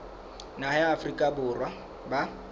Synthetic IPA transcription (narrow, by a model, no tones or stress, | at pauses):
naɦɛːfrikʼabʊrwa | ba